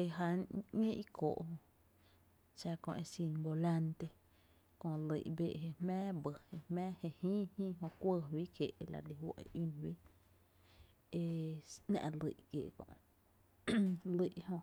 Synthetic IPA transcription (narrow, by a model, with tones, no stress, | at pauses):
e˧ɦa˧˨ɲẽ˦ʔi˦kʰo̰ː˨ʔhõ˧ | ʃa˧kõ̰˧ʔe˧si˧ŋbo˧la˧nt̪e˧ | kõ˧lḭ˨ʔbḛ˧˨ɦe˧˨hmɛ̃ː˦bə˨he˧hmɛ̃ː˦he˧hĩː˦hĩː˦ɦõ˧kʷə˧wi˦kje˨˧la̰˨li˨hwḛ˨ʔi˦nwiː˦ | e˧nã̰˧ʔlḭ˧˨ʔkḛ˨ʔkõ̰˧˨ʔ | li˧˨ʔhõ˧